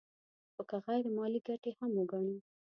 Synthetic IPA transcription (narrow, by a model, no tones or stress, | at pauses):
xokaɣajɾemɑliɡaʈehamwəɡɑɽ̃i